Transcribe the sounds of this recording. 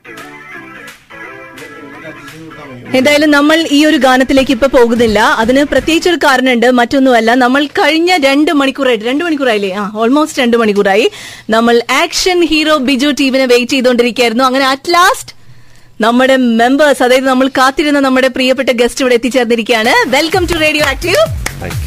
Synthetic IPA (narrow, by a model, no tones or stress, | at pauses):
e̞nd̪aːjɐlumnɐmːɐɭiːo̞ɾuɡaːnɐt̪ːile̞ːkːipːopo̞ːɣunːilːɐɐðinɨprɐt̪jeːɡit͡ɕːo̞ɾukaːɾɐnɐmuɳɖɨmɐtːo̞nːumɐlːɐnɐmːɐɭkɐɻiɲːɐɾe̞ɳɖɨmɐɳikʲːuːraːjʈːɨɾe̞ɳɖɨmɐɳikʲːuːraːjilːeaːo̞ːlmo̞ːstɨɾe̞ɳɖɨmɐɳik̬ʲːuːraːjinɐmːɐɭaːkʂɐnhiːro̞ːbid͡ʑuːtiːʋinɨʋe̞jtːijðo̞ɳɖiɾikʲːaːjiɾunːuɐŋːɐne̞ɐtlaːstɨ̥ | nɐmːuɽe̞me̞mbɐrsɐðaːjɐðɨnɐmːɐɭkaːt̪ːiɾunːɐnɐmːuɽe̞prijɐpːe̞ʈːɐɡe̞stiʋiɽeet̪ːit͡ɕːe̞ːrnːiɾikʲːujaːɳɨʋe̞lkɐmture̞ːɖijoːaːk̚ʈi